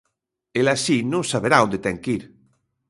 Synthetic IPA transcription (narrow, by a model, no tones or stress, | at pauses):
elasinũŋsaβeɾaond̪et̪ɛŋkiɾ